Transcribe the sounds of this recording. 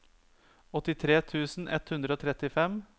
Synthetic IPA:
ɔt̪ɪt̪ʰɾeːt̪ʰʉːsn̩ʔɛ̰t̪hʉnd̪ɾəoːt̪ʰɾɛt̪ɪfɛm

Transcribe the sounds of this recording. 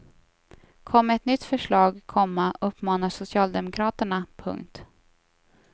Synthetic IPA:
kʰɔmːəɛt̪nʏt̪ːfœʂɭɑːɡkʰɔmːaɵpːmɑːnaʂʊsɪɑːld̪ɛmʊkʰɾɑːt̪əɳapʰɵ̰ŋk̚t̪

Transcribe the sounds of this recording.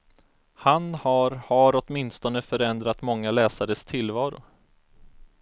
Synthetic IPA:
hanhaɾhaɾɔt̪mɪnst̪ɔnəfœɾɛnd̪ɾat̪mɔŋːalɛːsaɾəst̪ʰɪlːvɑːɾʊ̰

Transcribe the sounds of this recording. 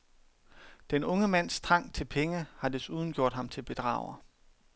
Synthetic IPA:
d̥enɔ̽ŋəmæn̰st͡sʰʁɑ̈ŋ̰t͡sʰe̝lpʰeŋəhɑ̈d̥esuːð̞ˠn̩ɡ̥jo̝ɐ̰d̥hɑ̈mt͡sʰe̝lb̥e̝d̥ʁɑ̰̈ːʊɐ

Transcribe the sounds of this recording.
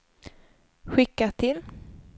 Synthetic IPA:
ɧɪkːat̪ʰɪl

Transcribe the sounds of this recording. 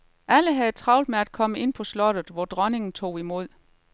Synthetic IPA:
ʔæləɦæðˠt͡sʰʁɑ̈ʊld̥meæd̥̚kʰɒ̽məe̝n̰pʰɒ̽slɒ̽d̥ð̩ˠʋɒd̥ʁɒne̝ŋn̩t͡sʰo̝̰ːimo̝ð̞̰ˠ

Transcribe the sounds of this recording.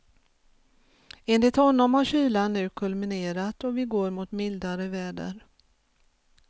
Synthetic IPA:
enlɪt̪hɔnːɔmhaɾɕyːlanːʉ̟ːkʰɵlmɪneːɾat̪ɔvɪɡoːɾmʊt̪mɪld̪aɾəvɛːɖə̰ɾ

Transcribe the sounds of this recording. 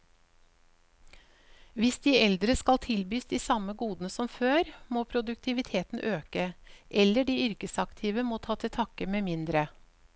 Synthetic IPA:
ʋɪsd̪iːɛld̪ɾəskɑlt̪ʰɪlbyːsd̪iːsɑməɡuːd̪n̩əsɔmføːɾmoːpʰɾʊd̪ʉkt̪ʰɪʋɪt̪ʰeːt̪n̩ʔøːkəʔɛlːəɖiːʏɾkəsɑkt̪ʰiːʋəmoːt̪ʰɑːt̪ʰɪt̪ʰɑkəmeːmɪnd̪ɾə

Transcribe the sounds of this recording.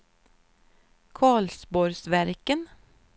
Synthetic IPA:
kʰɑːɭsbɔɾsʋæɾkən

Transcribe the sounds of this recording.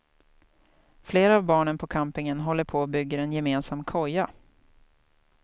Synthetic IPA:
fleːɾaavbɑːɳənpʰɔkʰampɪŋənɦɔlːəɾpʰoːbʏɡːəɾɛnjɛmeːnsamkʰɔjːa

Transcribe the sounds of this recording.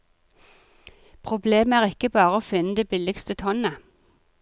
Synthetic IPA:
pʰʁʊbleːmæːʁɪkəbɑːʁəoːfɪnːəd̪eːbɪlɪkst̪ət̪ʰɔnə

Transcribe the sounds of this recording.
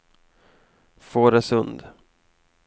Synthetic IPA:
foːɾɛsɵnd̪

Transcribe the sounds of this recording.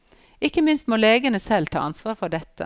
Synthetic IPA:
ɪkːəmɪnst̪moːleːɡənəsɛlt̪ʰɑ̰ːɑnsʋɑːʁɾfɔʁɖɛt̪ːə̰

